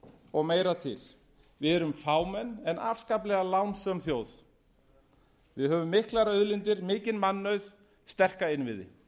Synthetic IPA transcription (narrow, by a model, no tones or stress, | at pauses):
ɔɣmeːjɾat̪ʰɪ̰l | vɪðɛɾʏmfaːwmɛnːɛna̰fskaplɛɣalawnsœmθjoːwθ | vɪðhœːvʏmːɪhklaɾœðlɪnt̪ɪɾmɪːcɪnmanːœɥð | st̪ɛr̥kaɪnvɪðɪ̰